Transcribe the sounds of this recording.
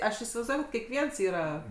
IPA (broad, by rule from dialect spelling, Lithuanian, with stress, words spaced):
ˈɐʃ ɪsʲɪʋɐɪzˈduɔj kɐt kʲɛkˈʋʲiɛns ˈiːrɐ